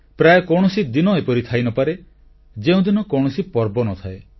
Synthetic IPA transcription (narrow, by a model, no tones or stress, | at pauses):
pɾajekɔɽ̃ɔsid̪inɔepɔɾit̪ʰajnɔpaɾe | d͡ʒeũd̪inɔkɔwɽ̃ɔsipɔɾbɔnɔt̪ʰae